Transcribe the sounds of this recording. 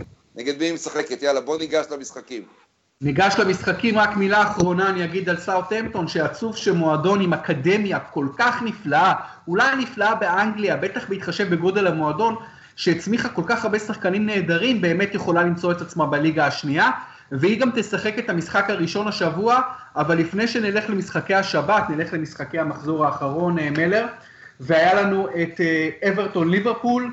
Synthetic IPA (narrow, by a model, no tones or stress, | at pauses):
neɡed̪miimesaχeket̪jalabo̞niɡaʃlamisχakim | niɡaʃlemisχakimʁakmilaːχʁo̞naːnijaɡid̪alsawt̪emt̪o̞nʃeat͡suvʃemo̞ado̞nimakade̞mjako̞lkaχniflaa | ulajniflaabe̞ʔaŋɡliabe̞t̪aχbeit̪χaʃe̞vbe̞ɡo̞d̪e̞lamoado̞n | ʃeːt͡smiχako̞lkaχaʁbesaχkanimne̞ːdaʁimbe̞ːme̞t̪jeχo̞lalimt͡so̞e̞t̪at͡smabaliɡaːʃnia | veiɡamt̪e̞saχe̞ket̪amisχakhaʁiʃo̞naʃavuaːvalːifne̞jʃe̞nile̞χle̞misχakejaʃabat̪nile̞χle̞misχake̞jhamaχzo̞ʁaːχaʁo̞neme̞le̞ʁ | veajalanue̞t̪eeveʁto̞nliveʁpul